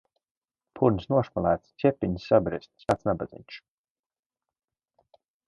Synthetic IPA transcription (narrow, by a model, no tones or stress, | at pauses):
pʰuɾnʲsnuɔʃmalˠæːt̪st̪sʲɛpʲːiɲsabɾist̪ʲsaːt̪snabad̪zḭɲʲʃ